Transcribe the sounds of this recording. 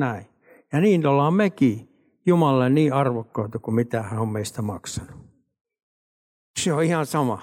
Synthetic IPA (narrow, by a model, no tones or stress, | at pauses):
næi | jɑniːnolːɑːmmeki | jumɑlɑlenniːɑrʋokːoit̪ɑkumit̪æhæommeist̪æmɑ̰ksɑnu̥ | seoihɑnsɑmɑ